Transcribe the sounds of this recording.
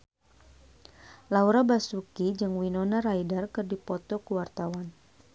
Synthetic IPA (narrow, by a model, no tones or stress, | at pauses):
lauɾabasukid͡ʒɨŋwinɔnaraidarkɨrdipɔt̪ɔkuwart̪awan